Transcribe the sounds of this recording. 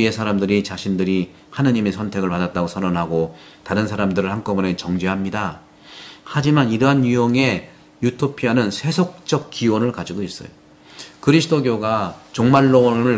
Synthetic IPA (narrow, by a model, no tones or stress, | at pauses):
ie̞sʰaɾamdɯɾit͡ɕaɕʰindɯɾi | hanɯɲime̞sʰʌntʰe̞ɡɯɭpadat͈aɡosʰʌnʌnɦaɡo | taɾɯnsʰaɾamdɯɾɯɭhank͈ʌbunet͡ɕʌŋd͡ʑeɦamɲida | had͡ʑimaniɾʌɦanijoŋe̞ | jutʰopʰianɯnsʰe̞sʰok̚t͡ɕ͈ʌk̚k͈iwʌnɯɭkad͡ʑiɡois͈ʌ̰jo | kɯɾisʰdoɡjoɡat͡ɕoŋmaɭːonɯɭ